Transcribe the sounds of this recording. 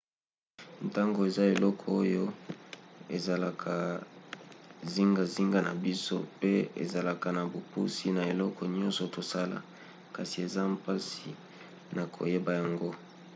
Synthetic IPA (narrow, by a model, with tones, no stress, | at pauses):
nta˦ŋɡo˨e˨za˦e˨lɔ˦kʰɔ˨o˦jo˦ | e˨za˨la˨kʰa˨ | zi˦ŋɡa˨zi˦ŋɡa˦na˨bi˦so̰˦pe˦ḛ˨za˨la˨ka˨na˨bo˨pṵ˦si˦na˨e˨lɔ˦kɔ˨ɲɔ̃˦nsɔ˨to˨sa˦la̰˨ | ka˨si˨e˨za˦mpa˦si˨ | na˨kʰo̰˨je˦ba˨ja˨ŋɡo˦